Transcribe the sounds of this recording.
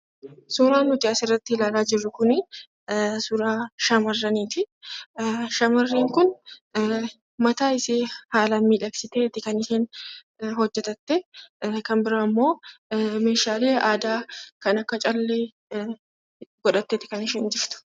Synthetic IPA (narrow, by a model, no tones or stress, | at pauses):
suːɾaːnːʊt̪ɪɐsɪrːɐt̪ːɪɪlaːlaːd͡ʒɪrːʊkʊnɪ | sʊɾaːʃɐmɐrːɐniːt̪ɪ | ʃɐmɐrːiːŋkʊn | mɐt̪aːɪseːhaːlɐmːiːᶑɐksɪt̪eːt̪ːɪkɐnɪseːn | ɦɔd͡ʒːɛt̪ɐt̪ːɛkɐmbɪɾamːo̞ːmeːʃaːle̞ːaːd̪aːkɐnɐkːɐt͡ʃʼɐlːe | ɡɔᶑɐt̪ːeːt̪ːɪkɐnɪʃɛːnd͡ʒɪft̪ʊ̥